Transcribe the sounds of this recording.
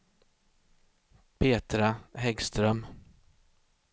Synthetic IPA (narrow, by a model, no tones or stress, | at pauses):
pʰeːt̪ɾahɛɡst̪ɾœm